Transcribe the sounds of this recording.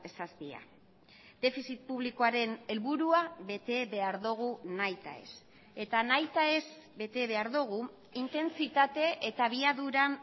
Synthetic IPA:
esast̪ia̰ | d̪e̞fisit̪̚puβliko̞aɾe̞ne̞lβuɾuaβe̞t̪e̞βe̞aɾðuɣ̞unajt̪a̰e̞̰s | e̞t̪anajt̪aezbe̞t̪e̞βe̞aɾðuɣ̞u | int̪e̞nt͡sit̪at̪e̞ʔet̪aβ̞iaðuɾa

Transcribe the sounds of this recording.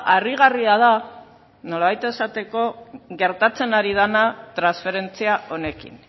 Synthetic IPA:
ariɣ̞ariað̞a | no̞laβajt̪e̞sat̪e̞ko̞ɣe̞ɾt̪at͡se̞naɾið̞anat̪ɾansfe̞ɾe̞nt͡siaʔo̞ne̞kḭn

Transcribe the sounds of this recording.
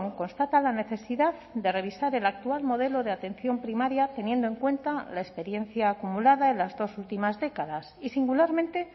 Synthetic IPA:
ŋko̞nst̪at̪alane̞θe̞siðaðd̪e̞re̞β̞isaɾe̞lak̚t̪ualmo̞ðe̞lo̞ðeat̪e̞nθjo̞mpɾimaɾjat̪e̞nje̞nd̪oeŋkwe̞nt̪alaespe̞ɾje̞n̟θjaːkumulaðae̞nlazðo̞sult̪imazðe̞kaðasisiŋɡulaɾmẽ̞nt̪e̞

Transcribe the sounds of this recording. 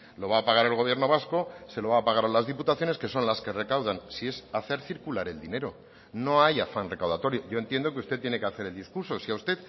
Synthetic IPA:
lo̞β̞aːpaɣaɾelɣo̞βje̞ɾno̞β̞asko̞se̞lo̞βaːpaɣ̞aɾalazðiput̪aθjone̞ske̞so̞nlaske̞re̞kawðansie̞saθe̞ɾθiɾkulaɾe̞ld̪ine̞ɾo̞ | no̞ajafanre̞kawðat̪o̞ɾjo̞ʝo̞e̞nt̪jend̪o̞k̬eust̪e̞t̪ːje̞ne̞keaθe̞ɾeld̪iskuɾso̞siaust̪e̞t̪

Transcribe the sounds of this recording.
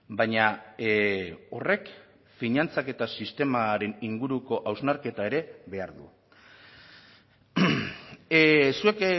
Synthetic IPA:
bajɲa | o̞re̞k | fiɲant͡sake̞t̪asist̪e̞maɾe̞niŋɡuɾuko̞ʔawznaɾke̞t̪ae̞ɾe̞βe̞aɾðṵ | sue̞k

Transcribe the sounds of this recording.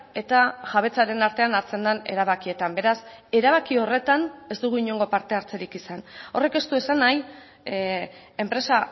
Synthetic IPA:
e̞t̪aʝaβ̞e̞t͡saɾe̞naɾt̪e̞anaɾt͡se̞nd̪ane̞̰ɾaβ̞akie̞t̪ambe̞ɾase̞ɾaβ̞akio̞re̞t̪ane̞sd̪uɣuiɲo̞ŋɡo̞paɾt̪e̞aɾt͡se̞ɾikisano̞re̞ke̞st̪ue̞sanaj | e̞mpɾe̞sa

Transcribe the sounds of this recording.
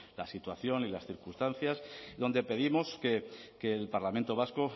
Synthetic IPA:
lasit̪waθjo̞nilasθiɾkust̪an̟θjasðo̞nd̪e̞pe̞ðimo̞ske̞ke̞lpaɾlament̪o̞β̞asko

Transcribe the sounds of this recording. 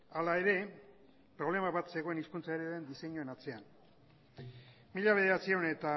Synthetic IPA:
alae̞ɾe̞ | pɾo̞βle̞maβat̪se̞ɣo̞e̞niskunt͡saeɾeðend̪iseɲoe̞nat͡se̞an | miʎaβ̞e̞ð̞e̞ɾat͡sio̞ne̞t̪a

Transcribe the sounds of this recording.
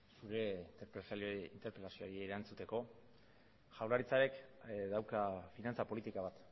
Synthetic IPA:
suɾe̞int̪eɾpɾesint̪e̞ɾpelasioɾieiɾant͡sut̪e̞ko̞ | ʝawlaɾit͡saɾekd̪awkafinant͡sapo̞lit̪ikaβ̞at̪

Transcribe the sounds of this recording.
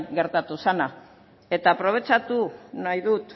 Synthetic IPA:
ɡe̞ɾt̪at̪usana | e̞t̪apɾo̞β̞e̞t͡ʃat̪unajðut̪

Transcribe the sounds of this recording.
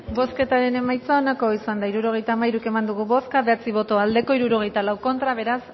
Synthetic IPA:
bo̞ske̞t̪aɾe̞ne̞majt͡saonako̞isand̪aiɾuɾo̞ɣ̞e̞jt̪aːmajɾuke̞mand̪uɣ̞uβo̞skaβe̞at͡siβ̞o̞t̪o̞ald̪e̞ko̞iɾuɾo̞ɣe̞jt̪alawko̞nt̪ɾaβ̞e̞ɾas

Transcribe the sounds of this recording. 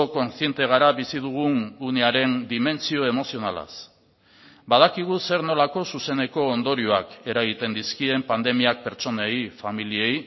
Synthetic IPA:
oko̞nsie̞nt̪e̞ɣ̞aɾaβisið̞uɣ̞unune̞aɾe̞nd̪ime̞nt͡sio̞e̞mo̞sio̞nala̰s | bað̞akiɣ̞use̞ɾno̞lako̞suse̞ne̞ko̞ːnd̪o̞ɾioake̞ɾaɣit̪e̞nd̪iskie̞mpand̪e̞miak̚pe̞ɾt͡so̞nejfamilie̞j

